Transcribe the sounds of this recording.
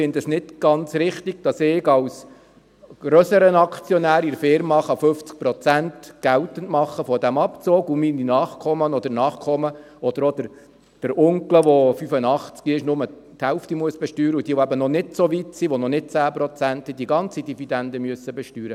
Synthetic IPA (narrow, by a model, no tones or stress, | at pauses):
fɪndəsnɪtɡ̥ɑnt͡sɾɪχt̪iɡ̥̚d̥ɑsɪːɡɑws | ɡ̥ɾøsəɾənɑkʰt͡sjɔnæːɾiɾfɪɾmɑχɑfɵft͡sk̚pɾɔt͡sæntɡ̥æwtən̩tmɑχːəfɔd̥æmɑpt͡soːɡumininɑːχkʰɔmənɔd̥̪əɾnɑːχkʰɔmə | ɔd̥̪əɾɔd̥̪əɾ | d̥əɾʊŋkləʋɔfyfənɑχt͡skiɪʃnʊmət̪hɛlftimuəsb̥ɛʃtyːɾəud̥̪iːəʋoæbənɔnɪtsoʋitsiʋɔnɔnɪd̥̚t͡sæːpɾɔt͡sænt̪id̥̪iɡɑnt͡sid̥ivid̪ænd̪əmyəsːəbɛʃtyːɾə